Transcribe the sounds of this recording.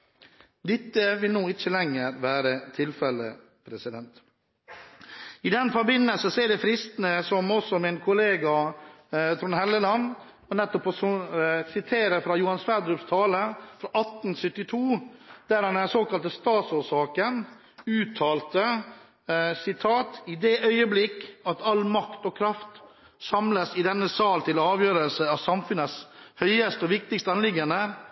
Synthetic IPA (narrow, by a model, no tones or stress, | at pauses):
d̪ɪt̪ːəʋɪlnuːɪt͡ʃːəlɛŋːəɾʋæːɾət̪ʰɪlfɛlə̰ | pʰɾɛsɪd̪ɛnt̪ | ɪd̪ɛnfɔɾbɪnːəlsəseːɖ̪ɛfɾɪst̪ənəsɔmɔsɔmɪnkʰʊleːɡɑ | t̪ʰɾʊnhɛlːəlɑn | ɔnɛt̪ːɔpɔssɪt̪ʰeːɾəɾfɾɑjuːhɑnsʋæd̪ɾʉpst̪ʰɑːləfɾɑʔɑt̪nsʏt̪ːɪt̪ʰuːd̪̥æɾɑnænsoːkɑlt̪əst̪ɑːt̪soːʂɑːkən | ʉːt̪ʰɑːlt̪ə | sɪt̪ʰɑːt̪ɪd̪eːʔœʏəblɪkːɑt̪ɑlmɑkt̪ɔkʰɾɑft̪ | sɑmləsɪd̪ɛnːəsɑːlt̪ʰɪlɑːʋjøːɾəlsəɑʋsɑmfʉnəshœʏəst̪əɔʋɪk̚t̪ɪkst̪əɑnlɪɡːənə